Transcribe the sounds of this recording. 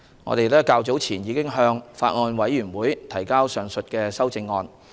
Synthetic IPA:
ŋɔ̰ː˨˧t̪e˨jlɛː˥kaː˧wt͡so˨˥wt͡sʰiː˨˩njiː˨˧kɪ˥ŋɦœː˧ŋfa̰ː˧t̚ŋɔː˧nwɐ˨˥jːyː˨˩nwuː˨˥jt̪ʰɐ˨˩jkaː˥wsœː˨˩ŋsɵ˨t̚kɛː˧sɐ˥wt͡sɪ˧ŋːɔː˧n

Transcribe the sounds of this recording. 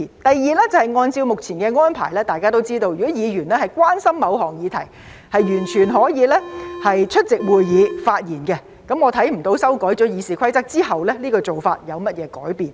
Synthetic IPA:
t̪ɐ˨jːiː˨tlɛː˥t͡sɐ˨˩hɐ˨˩jŋɔː˧nt͡si˧wmʊ˨k̚t͡sʰiː˨˩nkɛː˧ŋɔː˥npʰa̰ː˨˩jlɛː˥t̪aː˨jkaː˥t̪o˥wt͡siː˥t̪o˧wjyː˨˩ɔ˨˥jiː˨˧jyː˨˩nlɛː˥hɐ˨jkʷwaː˥nsɐ˥mːɐ˨˧wɦɔː˨˩ŋjiː˨˧t̪ʰɐ˨˩j | hɐ˨jɥyː˨˩nt͡ʃʰyː˨˩nɦɔː˨˥jiː˨˧lɛ˥hɐ˨jt͡ʃʰɵ˥t̚t͡sɪ˨k̚wuː˨jjiː˨˧faː˧t̚jiː˨˩nkɛ˧ | kɐ˨˥mŋɔ˨˧t̪ʰɐ˨˥jm̩˨˩t̪o˧wsɐ˥wkɔː˨˥jt͡sɔː˨˥jiː˨˧siː˨kʷʰɐ˥jt͡sɐ˥k̚t͡siː˥hɐ˨wlɛː˥liː˥kɔː˧t͡so˨wfa̰ː˧t̚jɐ˨˧wmɐ˥t̚jɛː˨˧kɔː˨˥jpiː˨n

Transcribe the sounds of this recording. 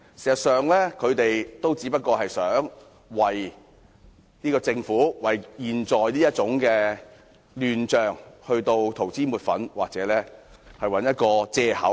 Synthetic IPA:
sɛː˨˩sɐ˨t̚sœː˨ŋlɛː˥kʰɵ˨˧ɥt̪e˨jt̪o˥wt͡siː˨˥pɐ˥t̚kɔː˧ɦɐ˨jsœː˨˥ŋ | wɐ˨˩j | niː˥kɔː˧t͡sɪ˧ŋfuː˨˥wɐ˨˩jjiː˨nt͡sɔː˨jniː˥jɐ˥t̚t͡sʊ˨˥ŋkɛː˧ | lyː˨nt͡ʃœː˨˩ŋhɵ˧ɥt̪o˧wt̪ʰo˨˩wt͡siː˥muː˨˩t̚fɐ̰˨˥nwaː˨k̚t͡sɛː˨˥lɛː˥ | hɐ˨jwɐ˨˥njɐ˥t̚kɔː˧t͡sɛː˧hɐ̰˨˥w

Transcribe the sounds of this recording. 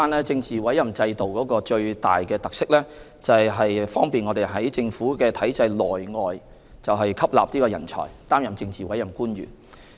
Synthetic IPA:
aː˥nɛː˥t͡sɪ˧ŋt͡siː˨˩wɐ˨˥jɐ˨˩mt͡sɐ˧jt̪o˨wkɔː˨˥kɔː˧t͡ʃɵ˧ɥt̪a̰ː˨jkɛː˧t̪ɐ˨k̚sɪ˥k̚lɛː˥ | t͡sɐ˨jɦɐ˨jfɔː˥ŋpiː˨nŋɔ˨˧t̪e˨jɦɐ˨˥jt͡sɪ˧ŋfuː˨˥kɛː˧t̪ʰɐ˨˥jt͡sɐ˧jlɔː˨˩jŋɔː˨j | t͡sɐ˨wɦɐ˨jkʰɐ˥p̚la̰ː˨p̚ni˥kɔː˧jɐ˨˩nt͡ʃʰɔ̰ː˨˩jt̪aː˥mjɐ˨mt͡sɪ˧ŋt͡siː˨wɐ˨˥jɐ˨˩mkuː˥nɥy̰ː˨˩n

